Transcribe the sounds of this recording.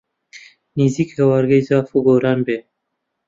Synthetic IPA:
nizikewaɾɡeizɑːfuɡoːɾɑːnbe

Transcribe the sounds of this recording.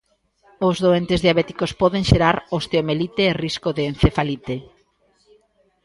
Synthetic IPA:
ozðoent̪ezðiaβɛt̪i̥kospɔðeŋʃeɾaɾost̪eomelit̪eːriskoðeːnθefalit̪e

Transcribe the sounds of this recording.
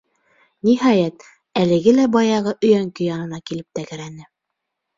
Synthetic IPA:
nʲiɦɑjæt̪ | ælɘ̆ɡɘlæbɑjɑʁɤʔɵ̆jæŋkɵ̆jɑnɤ̆nɑkilɘp̚t̪ækɘ̆ɾænɘ

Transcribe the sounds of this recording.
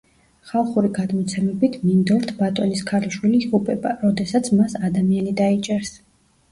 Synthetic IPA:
χalˠχuɾiɡad̪mɔt̪sʰɛmɛbit̪ʰmind̪ɔlt̪ʰbat̪ʼɔniskʰaɾiʃwiliːʁupʼɛbaɾɔd̪ɛsat̪sʰmasad̪amianid̪ait͡ʃʼɛɾs

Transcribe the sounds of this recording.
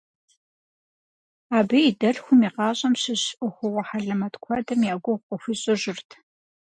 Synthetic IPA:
aːbiidɐɮxʷʊmiːqɑːɕʼɐmɕɪɕʊxʷʊwɔħaɮɐmɐtkʷʰɔdɐmjaːɡʷʊqʷɔxʷiɕʼɨʒɪrtʰ

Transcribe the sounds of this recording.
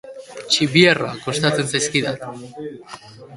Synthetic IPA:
t͡ʃiβiera̰kost̪at͡se̞nsajskiðat̪

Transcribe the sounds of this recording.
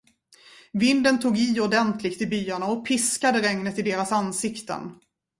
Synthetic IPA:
vɪnd̪ənt̪ʰuːɡiɔd̪ɛnt̪ʰlɪkt̪ɪbyːaɳaɔpʰɪskad̪əɾɛŋnət̪ɪd̪eːɾasansɪkt̪ə̰n

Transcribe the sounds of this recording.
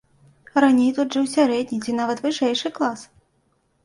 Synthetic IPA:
ɾanʲejt̪ut̪ʐɨwsʲaɾɛd̪ʲnʲit͡sʲinavɐt̪vɨʂɛjʂɨklˠas

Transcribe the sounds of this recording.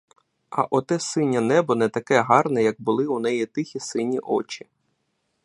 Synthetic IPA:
ɐ̰ʔɔt̪ɛsɪnʲːɐnɛbɔnɛt̪ɐkɛɦɑrnɛjɐɡ̚bʊlˠɪun̪ɛjit̪ɪxʲisɪnʲːiʔɔ̰t͡ʃɪ̥

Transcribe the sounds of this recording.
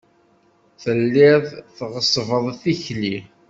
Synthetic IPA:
θəlːɪðˤθʁəsˤvəðˤθiçli

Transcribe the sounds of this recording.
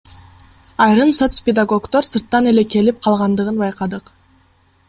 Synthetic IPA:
ɑjɾɯmsot̪spʲɪd̪aɡo̞kt̪o̞ɾsɯɾt̪ːɑne̞le̞ke̞lip̚qʰɑlˠʁɑnd̪ɯʁɯnbɑjqɑd̪ɯq

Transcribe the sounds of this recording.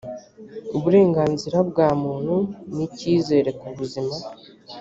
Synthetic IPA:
uβuɾe̞ːŋɡaːnziɾabɡaːmuːnhuniciːze̞ːɾe̞kuβuzima

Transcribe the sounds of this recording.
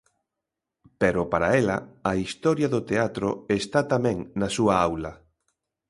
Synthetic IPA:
peɾʊpaɾaelɐ̰ːist̪ɔɾjɐðʊt̪eat̪ɾoest̪at̪amɛ̃ŋnasuɐawlɐ

